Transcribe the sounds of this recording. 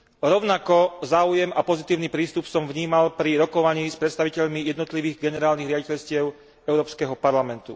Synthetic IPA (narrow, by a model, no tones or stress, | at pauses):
ɾɔʊnakɔzaːujɛmapɔzit̪iːʊnipɾiːst̪upsɔmvɲiːmalpɾiɾɔkɔʋaɲiːspɾɛt̪st̪aʋicɛʎmijɛd̪nɔt̪liʋiːɣɡɛnɛɾaːlniɣɾɪaɟicɛʎscɪɛʊ | ɛʊɾɔːpskɛɦɔpaɾlamɛnt̪ṵ